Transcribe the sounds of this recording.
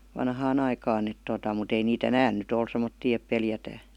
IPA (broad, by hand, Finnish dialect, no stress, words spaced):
ʋɑnhɑːn ɑikɑːn et totɑˑ mut ei nit enæːn nyt ol semˑotːiː ep peljætæː